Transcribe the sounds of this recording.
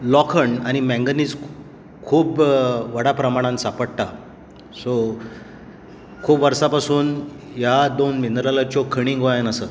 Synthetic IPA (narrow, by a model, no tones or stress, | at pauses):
lɔkʰəɳaɽ̃imɛ̃ŋɡəniːt͡s | kʰuːbʋəɽapɾəmaɽ̃ãnsapəɽʈa | so | kʰuːpʋəɾsapasuːn | jad̪onmind̪ɾalat͡ɕokʰəɽ̃ĩŋɡʋajanəsəː